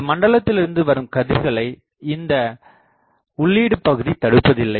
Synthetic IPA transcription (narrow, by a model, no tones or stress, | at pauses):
mɐɳɖɐɭɐt̪ːɪlɪɾɯnd̪ɯʋɐɾɯmkɐðɪɾɣɐɭɐɪ | ɪnd̪ɐ | ʊɭːiːɽɯpɐɣɯðit̪ɐɽɯpːɐðɪlːɐɪ